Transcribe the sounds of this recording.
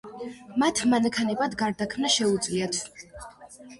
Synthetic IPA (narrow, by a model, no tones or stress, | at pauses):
mat̪ʰmanakʰanɛbad̪ɡaɾd̪akʰmnaʃɛud̪zliat̪ʰ